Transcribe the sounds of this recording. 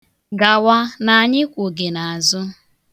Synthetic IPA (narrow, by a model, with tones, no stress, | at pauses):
ɡa˨wa˦na˨a˨ɲɪ˦kʷʊ˨ɡe˨na˨a˨zʊ˦